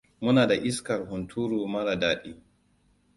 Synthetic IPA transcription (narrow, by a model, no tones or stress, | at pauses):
munaːdaʔiskaɾhuntʰuːɾumaɾadaːɗi